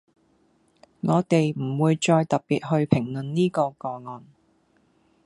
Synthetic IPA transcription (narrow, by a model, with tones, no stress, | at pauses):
ŋɔː˨˧t̪e˨jm̩˨˩wuː˨˧jt͡ʃɔː˧jt̪ɐ˨˩t̚piː˨t̚ɦɵ˧ɥpʰɪ˨˩ŋlɵ˨nniː˥kɔː˧kɔː˧ŋɔː˨n